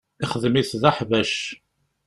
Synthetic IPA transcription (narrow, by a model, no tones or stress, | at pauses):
ɪχəðəmiθðaħvæʃ